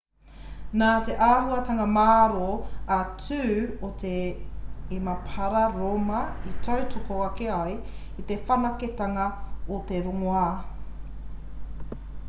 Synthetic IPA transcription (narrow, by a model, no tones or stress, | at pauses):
naːt̪eʔaːhuɐtaŋɐmaːɾoɐt͡sʉːot̪eː | mɐpʰɐɾɐɾomɐitʰɐwtokoɐkeɐj | it̪efɐnɐket̪aŋɐot̪eɾoŋoa